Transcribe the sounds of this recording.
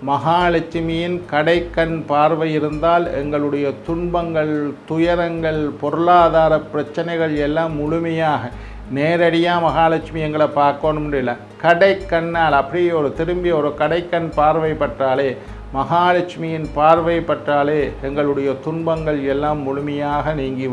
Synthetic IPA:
mɐɣaːɐɭɐt͡ʃːɪmɪjɪnkɐɽɐɪkːɐnpaːɾʋɐjɪɾɯnd̪aːlɛ̰ŋɡɐɭɯɽɐjɐt̪ʊɳbɐŋɡɐɭt̪ʊjɐɾɐŋɡɐɭpɔɾɯɭaːðaːɾɐpːɪɾɐt͡ʃːɐnɐɪɣɐɭɛlːaːmːʊɻʊmɐjaːɣɐ | neːɾɐɽɪjaːmɐɣaːɭɐt͡ʃːɪmɪjɛŋɡɐɭɐpːaːɾkoːnɯmɳɖɪlːɐ | kɐɽɐɪkːɐnːaːlɐpːɐɽɪjɔɾɯt̪ɪɾɯmbɪɔɾɯkɐɽɐɪkːɐnpaːɾʋɐɪpːɐʈraːleː | mɐɣaːlɐt͡ʃmɪjɪnpaːɾʋɐɪpːɐʈraːleːɛŋɡɐɭɯɽɐjɐt̪ʊɳbɐŋɡɐɭɛlːaːmːʊɻʊmɐjaːɣɐniːŋɡɪ

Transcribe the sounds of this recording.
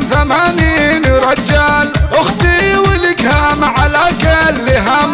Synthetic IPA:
zamaːninɾˤɑd͡ʒːalʔʊxt̪iwɪlɪkamʕalaːɡalːɪɦam

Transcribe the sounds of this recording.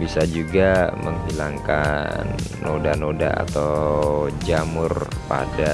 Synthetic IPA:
bisad͡ʒuɡaməŋɦilaŋkanː | odanoda̰a̰t̪a | d͡ʒamʊrpa̰da

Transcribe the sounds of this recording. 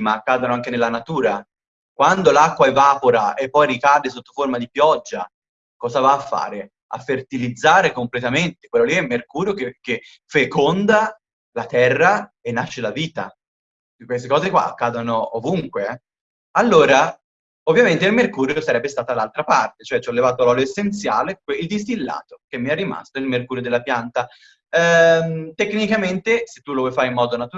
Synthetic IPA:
maːkːaːd̪onoaŋkenelːanat̪uːɾa | kwand̪olakːwaɛvaːpoɾaepːɔjrikaːd̪esot̪ːo̥formad̪ipjɔd͡ʒːa | kɔːzavaːfːa̰ːɾe | a̰fːert̪ilid̪zːaːɾekomplet̪ament̪e̥kwelːoliɛmːerkuːɾjokeke | fekond̪a | lat̪ɛrːa | enːaʃːelaviːt̪a̰ | kːwest̪ekɔːzekwa̰a̰kːaːd̪onoovuŋkweɛ | alːoːɾa | ovːjament̪eilmerkuːɾjosaɾɛbːest̪aːt̪alːalt̪ɾapart̪et͡ʃoɛt͡ʃːɔlːevaːt̪̬oalɔloesːent̪sja̰ːlekeild̪ist̪ilːa̰ːt̪ok̟emːiɛrːima̰st̪oilmerkuːɾjod̪elːapjant̪a | t̪ekːnikament̪ese̥t̪ːulovɔjfaːɾeimːɔːd̪onat̪u

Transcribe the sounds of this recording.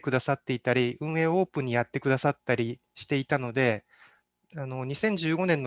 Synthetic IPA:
kɯ̟d̪asat̪ːe̞it̪aɾʲiɯ̟̃ɰ̃ẽ̞ːo̞ːpɯ̟̃ɲ̟ːijat̪ːe̞kɯ̟d̪asat̪ːaɾʲi | ɕi̥t̪e̞it̪ano̞d̪e̞ | ano̞ɲ̟isẽ̞ɲ̟d͡ʑɨːɡo̞nẽ̞nːo

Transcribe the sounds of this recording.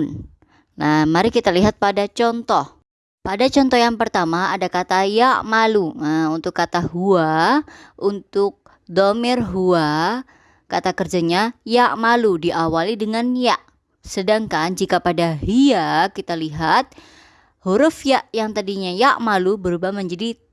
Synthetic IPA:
n | namaɾikit̪aliɦat̪̚padat͡ʃɔnt̪ɔh | padat͡ʃɔnt̪ɔhjaŋpərt̪amaːdakat̪ajaʔmaluəunt̪ʊkːat̪aɦuaʔunt̪ʊk̚ | domɪrɦua | kat̪akərd͡ʒaɲajaʔmaludiʔawalidəŋanjaʔ | sədaŋkand͡ʒikapadaɦiakit̪aliɦat̪̚ | huɾʊfjaʔjaŋt̪adiɲajaʔmalubəɾubahməɲd͡ʒadi

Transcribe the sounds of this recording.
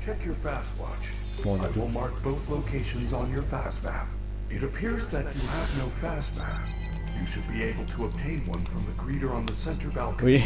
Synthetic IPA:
t͡ʃʰɛkjə˞fæst̚wɑ̰t͡ʃ | aɪwɪlˠmɑɹk̚b̥oʊθloʊkʰeɪʃɨ̃nzn̩jə˞fæsb̥æ̰p | ɨɾɨpʰɪɹzðɨt͡ʃɨəvnoʊfæsb̥æ̰̃m̚ | jɨʃɨd̚bieɪbl̩ˠtʰəəb̥̚tʰẽɪ̃nwʌ̃nfɹʌ̃mðɨkʰɹ̥iɾə˞ə̃nðɨsɛ̃ntə˞bælˠk

